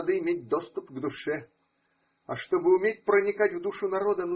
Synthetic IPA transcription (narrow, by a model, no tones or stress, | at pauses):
d̪ɨɪmʲet̚ʲd̪ost̪ʊpɡd̪ʊʂɛ | ɐ̰ʂt̪obɨʊmʲetʲpɾənʲɪkatʲvd̪uʂʊnɐɾod̪ən